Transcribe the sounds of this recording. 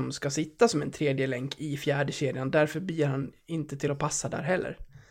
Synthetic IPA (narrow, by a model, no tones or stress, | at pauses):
mskasɪt̪ːasɔmɛnt̪ʰɾeːd̪jəlɛŋkʰɪfjæːɖəɕeːd̪ɪand̪æɾfœɾbɪjəɾhanɪnt̪ət̪ʰɪlɔpʰasːad̪æ̰ːɾɦɛlːə̰ɾ